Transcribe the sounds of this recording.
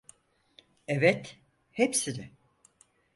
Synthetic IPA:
ɛvɛt̪ | hepsinɛ

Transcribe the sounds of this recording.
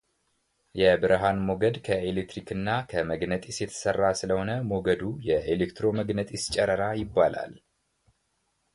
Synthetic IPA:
jɛbɨɾɦanmo̞ɡəd̪kʰəelekt̪ɾikʰɨnːakʰəməɡnət̪ʼisjɛt̪ʰə̥sərːasɨləho̞nəmo̞ɡəd̪ujɛʔelekt̪ɾo̞məɡnət̪ʼɪst͡ʃʼɛɾəɾajɪbːala̰l

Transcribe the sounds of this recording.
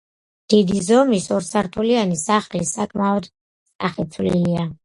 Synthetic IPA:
d̪̥id̪izɔmisɔɾsaɾt̪ʰulianisaχlisakʼmaɔd̪ | st̪ʼaχɛt̪sʰvliilia

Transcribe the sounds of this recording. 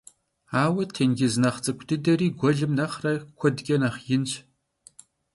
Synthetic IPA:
aːwɐtʰeːnɡʲɪznɐχt͡sʼɨkʷʰʼdɨdɐriːɡʷɔɮɨmnɐχrɐkʷʰɔdɡʲʼɐnɐχjɪnɕʼ

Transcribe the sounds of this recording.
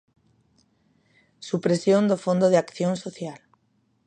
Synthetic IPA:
supɾesjond̪ofond̪oðeakθjonsoθjal

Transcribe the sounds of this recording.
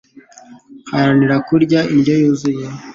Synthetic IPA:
haɾaniɾakuɾɟaʔiɲɟojuːzuje

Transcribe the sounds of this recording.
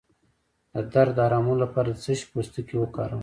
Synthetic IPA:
d̪əd̪aɾd̪əɑɾɑmulapɑɾad̪əzəʃpost̪əkiwəkɑ̰ɾəw

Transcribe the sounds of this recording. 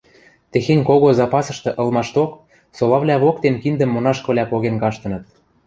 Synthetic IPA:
t̪exenʲkoɣozɑpɑsɤ̆ʃt̪ɤ̆ʔɤ̆lˠmɑʃt̪ok | solɑβlʲæβok̚t̪enkind̪ə̆mːonɑʃkɤ̆βlʲæpoɣenkɑʃt̪ɤ̆nɤ̆t̪̚

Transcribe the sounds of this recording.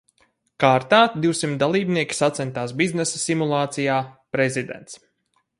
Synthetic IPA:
kaːɾt̪aːd̪iwsimt̪d̪alˠiːbniɛkʲi̥sat̪sɛnt̪aːsbiznɛsasimulˠaːt̪sijaːpɾɛzid̪ɛ̰nt̪s

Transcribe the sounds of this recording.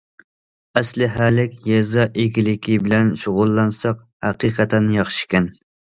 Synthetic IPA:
ɛslɪɦæːlɪkʲjɛzɑʔɪkʲilɪkʲʰibɪlɛnʃʊʁʊlˠːɑnsɑq | hæqiːqʰæt̪ʰɛnjɑχʃi̥ʃkʲɛn

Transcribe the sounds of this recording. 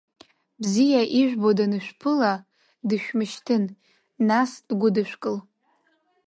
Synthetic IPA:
bzijaʔiʒᶣʷbodanɨʃᶣpʰɨla | dɨʃᶣmɨʃtʰɨn | nasd̥ɡʷʊdɨʃʷᶣkʼɨl

